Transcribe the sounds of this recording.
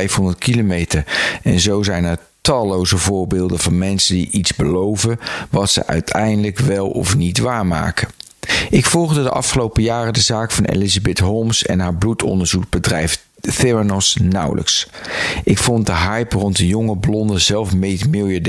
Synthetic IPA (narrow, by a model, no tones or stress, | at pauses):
ɛjfɦɔndəɹtkʰilomejtəɹɛnzowzɛjnəɹ | tɑlowzəvʊːɹbɪːlˠdəvɑnmɛnsəndḭʔitzbəlowvənʋɑtsə̰ʔœ̰ɥtʰɛjndələkʋɛlˠɔ̰fnitʋaːɹma̰ːkə | ʔɪkfɔlˠʁdədəʔɑ̰fχəlowpəjaːrədəzaːkfɑnʔḛlizabɪtɦomsɛ̰nɦaːɹblutʰɔ̰ndəɹzuɡbədrɛjf | θɪɹənɔsnʌ̰wlʔə̰ks | ʔɪkfɔnt̚dəɦɑjprɔnt̚dəjʊŋəblɔndəzɛlˠfmejtmɪlˠjad